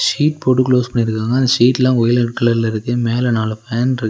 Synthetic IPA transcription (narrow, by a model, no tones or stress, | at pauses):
ʂiːʈ̚poːʈ̬ːɯkloːspɐɳːɪɾɯkːaːŋɡɐːnd̪ɐʂiːʈːlãːɔjɪlɐʈkːɐlɐɾlɐɪɾɯk̪ːɯmeːlɐnaːlɐfaːnɾɯ